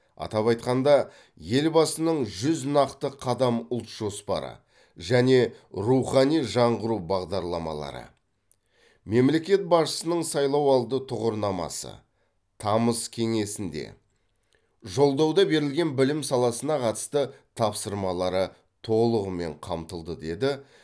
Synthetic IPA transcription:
ɑ̰t̪ɑpɑjt̪qɑnd̪ɑ | je̞lbɑsənəɴʒʏznɑqt̪əqʰɑd̪ɑmʊlˠt̪ʒ̥o̞spɑ̰ɾə̰ | ʒæne̞ɾuχɑnijʒɑɴʁəɾubɑʁd̪ɑɾlˠɑmɑ̰lˠɑ̰ɾə̰ | me̞mle̞kʲe̞t̪̚bɑʃə̥sənəɴsɑjlˠɑwɑlˠd̪ət̪ʰʊʁəɾnɑmɑ̰sə̰ | t̪ʰɑməskʲʰe̞ŋe̞sɪnd̪e̞̰ | ʒo̞lˠd̪ɑwd̪ɑbe̞ɾɪlɡʲe̞nbɪlɪmsɑlˠɑsənɑqʰɑt̪ə̥st̪ət̪ʰɑpsəɾmɑlˠɑɾə | t̪ʰo̞lˠəʁəme̞̰ɴqʰɑmt̪əlˠd̪əd̪e̞d̪ɪ

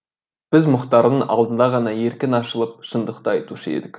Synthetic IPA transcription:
b̥ɪzmʊqt̪ɑɾd̪əŋɑ̰lˠd̪ənd̪ɑʁɑnɑje̞ɾkʲɪnɑʃəlˠəp̚ʃənd̪əqt̪ɑɑjt̪uʃəe̞̰d̪ɪkʲ

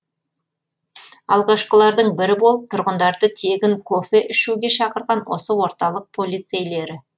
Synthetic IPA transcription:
ɑlˠʁɑʃqəlˠɑɾd̪əɴbɪɾɪbo̞lˠəp̚t̪ʰʊɾʁənd̪ɑɾd̪ət̪ʰe̞ɡʲɪŋkʰofe̞ʔɪʃuɡʲe̞ʃɑqəɾʁɑnwo̞̰səwo̞ɾt̪ɑlˠəq̚pʰo̞lʲijt̪se̞jle̞ɾɪ

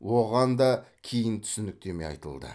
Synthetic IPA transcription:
woʁɑnd̪ɑkʲʰejɪnt̪ʰʏ̥sɪnɪk̚t̪e̞mejɑ̰jt̪ə̰lˠd̪ə̰

